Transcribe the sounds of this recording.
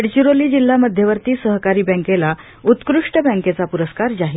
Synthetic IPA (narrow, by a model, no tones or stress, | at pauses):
ɽt͡ɕiɾoliːd͡ʑilːaməd̪ʱjeʋəɾt̪iːsəɦkaɾiːbɛ̃ŋkela | ut̪kɾuʂʈəbɛ̃ŋket͡sapuɾəskaɾd͡ʑaɦi